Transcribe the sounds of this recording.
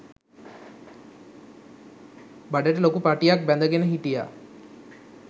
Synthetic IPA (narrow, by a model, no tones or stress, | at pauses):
baɖəʈəlokupaʈijak̚bɛnd̪əɡenəɦiʈija̰